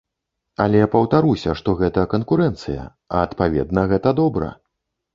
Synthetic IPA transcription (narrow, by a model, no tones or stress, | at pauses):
ɐ̰lʲɛpɐwt̪aɾusʲɐʂt̪ɔɣɛt̪ɐkɐnkuɾɛnt̪sɨjɐ̰ | ɐːt̪pavʲɛ̰d̪̚nɐɣɛt̪ɐd̪ɔbɾɐ̰